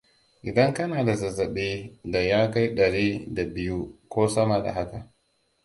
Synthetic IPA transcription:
ʔɪ˨dɐ˦ŋkɐ˦naː˨da˨sɐ˨zɐ˨ɓeː˦da˨jaː˦ka˦jɗɐ˨ɽiː˦da˨bɪ˦ju˦kʷoː˦sɐ˦ma˨da̰˨ha˦ka˨ʔ

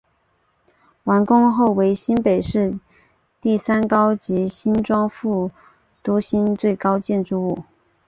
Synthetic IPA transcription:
wa˧˥nkʊ˥ŋxo˥˩ʊwe˧˥ɪɕi˥npe˨˩ɪʂɻ̩˥˧ | t̪i˥˩sa˥nkɑ˥ʊt͡ɕi˧˥ɕi˥nʈ͡ʂwɑ˥ŋfu˥˩ | t̪wɔ˥ɕi˥nt͡swe˥˩ɪkɑ˥ʊt͡ɕjɛ˥˧nʈ͡ʂɻu˥˧u˥˩

